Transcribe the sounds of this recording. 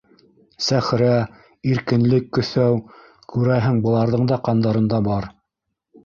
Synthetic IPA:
sæχɾæ | iɾkɘ̆nlɘkːɵ̆θæw | kʉɾæɦɘŋbɤ̆lˠɑɾðɤɴd̪ɑqɑnd̪ɑɾɤ̆nd̪ɑbɑɾ

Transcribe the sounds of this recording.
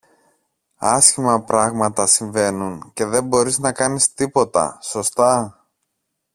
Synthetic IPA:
ɐsçimɐpɾɐɣmɐt̪ɐsiɱve̞nunce̞ðe̞mbo̞ɾiznɐkɐnist̪ipo̞t̪ɐ̰so̞st̪ɐ

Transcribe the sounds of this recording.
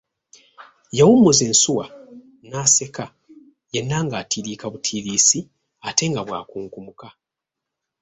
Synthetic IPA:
jawumozensuwa | naːse̞ka | jenːaŋɡaːtʰiɾiːkaβutʰiːɾiːsi | ate̞ŋɡaβwa̰ːkuːŋkumuka

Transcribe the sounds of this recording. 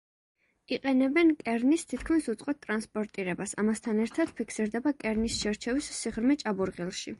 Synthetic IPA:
iqʼɛnɛbɛnkʼɛɾnist̪ʰit̪ʰkʰmisut̪sʼqʼɔt̪̚t̪ʼɾanspʼɔɾt̪ʼiɾɛbasa̰mast̪ʰanɛɾt̪ʰad̪̥pʰikʰsiɾd̪ɛbakʼɛɾnisʃɛɾt͡ʃʰɛwissiʁɾmɛt͡ʃʼabuɾʁilˠʃi

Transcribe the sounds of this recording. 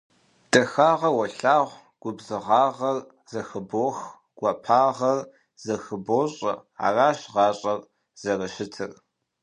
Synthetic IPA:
d̥ʼɐxaːʁɐwɐɬaːʁʷ | ɡ̥ʷʊbzɨʁɑːʁɐr | zɐxɨboːx | ɡ̥ʷɐpʰaːʁɐr | z̥ɐxɨboːɕʼɐ̰a̰ːraːɕʁɑːɕʼɐr | z̥ɐrɐʃɪtʰɨr

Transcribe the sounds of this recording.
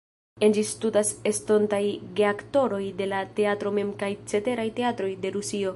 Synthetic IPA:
end͡ʒistudasesto̞ntajɾe̞akto̞ɾo̞jde̞late̞atɾo̞me̞mkajt͡se̞te̞ɾajte̞at̪ɾo̞jde̞ɾusio̞

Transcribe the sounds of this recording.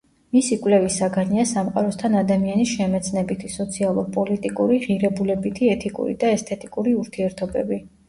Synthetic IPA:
misikʼwlɛvisaɡaniasamqʼa̰ɾɔst̪ʰanad̪amianisʃɛmɛt̪sʰʼnɛbit̪ʰisɔt̪sʰialˠuɾpʼɔlit̪ʼikʼuɾiʁiɾɛbulɛbit̪ʰiɛt̪ʰikʼṵɾḭd̪aɛst̪ʰɛt̪ʼikʼuɾiuɾt̪ʰiɛɾt̪ʰɔbɛ̰bi

